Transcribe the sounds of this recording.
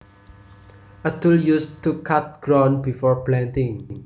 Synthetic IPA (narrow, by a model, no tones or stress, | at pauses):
ət̪uljustukʰat̪̚ɡ̥ɾɔ̃nbifɔɹplãntɪ̃ŋ